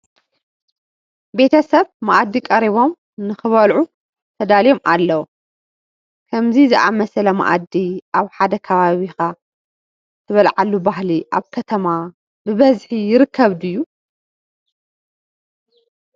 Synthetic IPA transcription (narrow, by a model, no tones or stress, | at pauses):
be̞t̪ʰɐsɐβmaʔad̪ːikʼɐɾiβo̞m | nɨxɨβɐlʕu | t̪ʰɐd̪aljo̞mʔalːɐwu | kʰɐmzizɨʔamɐsɐlɐma̰ʔad̪iʔaβħad̪ɐkʰɐβaβixa | t̪ʰɐβɐlʕalːubaɦliʔaβkʰɐt̪ʰɐma | bɨβɐzħijɪɾɨkʰːɐβd̪ɨjːu